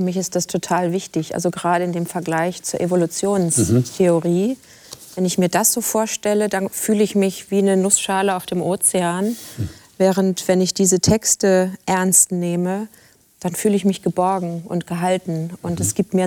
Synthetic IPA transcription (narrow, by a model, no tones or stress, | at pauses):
fmɪçɪst̚d̥astʰotʰaːlvɪçtɪçʔa̰lzoɡəʁaːɾəɪndeːmfɛɐɡlaɪçt͡suːɐʔevolut͡sjoːnstʰeoʁiː | vɛnɪçmiːɐdasz̥oːfoːɐʃtɛlədanfyːləɪçmɪçv̥iːnənʊsʃaːləaʊfd̥eːmʔoːt͡seaːnvɛːʁ̞əntv̥ɛnɪçd̥iːzətʰɛkstəʔɛɐnstneːmə | d̥anfyːləɪçmɪçɡ̥əbɔɐɡŋ̩ʊ̰ntɡ̥əɦaltn̩ʔʊntɛsɡ̥iːp̚tmiːɐ